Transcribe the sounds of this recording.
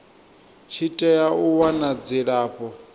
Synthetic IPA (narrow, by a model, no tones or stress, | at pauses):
t͡ʃʰitʼɛjauwanad͡ziɺaːɸɔ